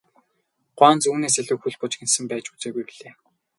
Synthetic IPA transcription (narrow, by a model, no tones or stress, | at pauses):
ɢ̥waːnt͡suːneːsæɮʲʊːxuɮpʊt͡ɕɡensɘ̆mpæːt͡ɕu̥t͡seːɡujpiɮeː